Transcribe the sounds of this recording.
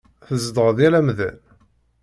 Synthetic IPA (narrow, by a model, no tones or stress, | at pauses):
θəzd̪əʁəðjælæmðæ̰n